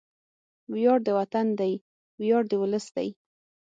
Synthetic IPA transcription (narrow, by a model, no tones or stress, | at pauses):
wjɑɽd̪əwat̪and̪aj | wjɑɽd̪əwʊləsd̪a̰j